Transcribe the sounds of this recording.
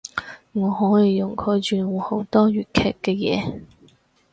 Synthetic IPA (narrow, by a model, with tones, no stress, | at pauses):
ŋɔː˨˧ɦɔː˨˥jiː˨˧jʊ˨˩ŋkʰɵ˨˧ɥt͡ʃyː˨ŋɔː˨˧ho˨˥wt̪ɔː˥ɥyː˨˩t̚kʰɛ̰ː˨kːɛː˧jɛ̰ː˨˧